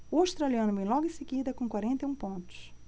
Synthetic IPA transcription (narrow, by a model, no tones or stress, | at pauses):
ʊawʃt̪ɾaliɐ̃nʊvẽj̃lɔɡʊĩseɡid̪ɐkõkwaɾẽnt̪ejũpõnt̪ʊ̥s